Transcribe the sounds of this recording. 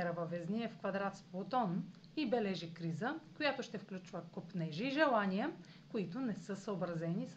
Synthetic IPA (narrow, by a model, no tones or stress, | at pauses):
ɛɾɐvɐvɛzniɛfkvɐd̪ɾat̪splˠot̪ɔn | ibɛlɛʒikɾizəkojat̪oʃt̪ɛfklʲut͡ʃvəkopnɛʒiːʒɛlˠaniə | koit̪ʊnɛsɤsəobɾɐzɛnis